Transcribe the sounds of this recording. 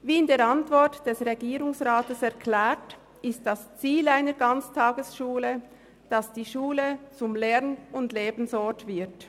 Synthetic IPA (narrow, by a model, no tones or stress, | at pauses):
viːɪndeːɾɑntv̥ɔɹtd̥ɛsʁeɡiːʁʊŋsʁaːtəsɛʁkʰlɛːt | ɪst̚d̥ast͡siːlaɪnəɡɑnt͡stʰaːɡəsʃuːlə | d̥ɑsd̥iːʃuːlət͡sʊmlɛʁnʊndleːbn̩sɔtv̥ɪɐt